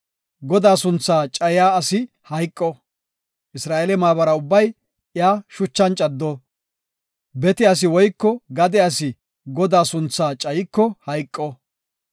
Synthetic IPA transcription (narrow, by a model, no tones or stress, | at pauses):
ɡɔd̪aːsʊnt͡sːaːt͡ʃʼɐjaːɐsɪ | hɐjkʼːɔ | ʔɪsɾaːʔelɛmaːbɐɾɐʊbːɐj | ɪjaːʃʊt͡ʃːɐnt͡ʃʼɐd̪ːɔ | bɛt̪ɪɐs̬ɪwɔjkːɔɡɐd̪ɛɐsɪ | ɡɔd̪aːsʊnt͡sːaːt͡ʃʼɐjɪkːɔhɐjkʼːɔ